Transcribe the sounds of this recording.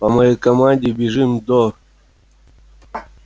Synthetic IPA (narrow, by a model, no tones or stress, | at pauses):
pɐmɐjejkɐmanʲdʲɪbʲɪʐɨmd̪o